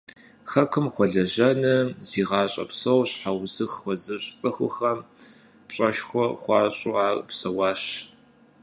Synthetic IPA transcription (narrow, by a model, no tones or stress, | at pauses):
xɐkʰɨmχʷɔɮɐʑɐnɐz̥iːʁɑːɕʼɐ̰psɐwɕħawzɨxʷɔzɨɕʼt͡sʼɐxʷʊ̰xɐ | pɕʼɐʃxʷɔχʷɑːɕʼuaːrpsɐwɑːɕ